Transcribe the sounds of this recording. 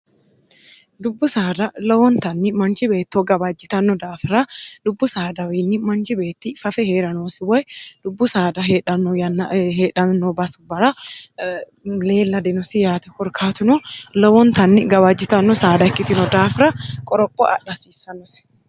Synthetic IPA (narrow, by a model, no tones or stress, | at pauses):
d̪ʊbːʊsaːd̪ɐlɐwɔnt̪ɐnːɪmɐnt͡ʃɪbeːt̪ːoɡɐbad͡ʒːɪt̪ɐnːɔd̪aːfɪɾɐd̪ʊbːʊsaːd̪ɐwinːɪmɐnt͡ʃɪbeːt̪ːiːfɐfɛheːɾɐnoːsɪwɐɛd̪̥ʊbːʊsaːd̪ɐɦeᶑɐnɔjɐnːheːᶑɐnːɔbɐsʊbɐɾɐ | le̞ːlːɐd̪ɪnʊsɪjaːt̪ɛ̥hɔɾkʰaːt̪ʊnʊlɐwɔnt̪ɐnːɪɡɐbad͡ʒːɪt̪ɐnːɔsaːd̪ɐɛkːɪt̪ɪnɔd̪aːfɪɾɐkʼɔɾɔpʼːɔʔɐ̰ᶑɐsiːsɐnʊsɪ̥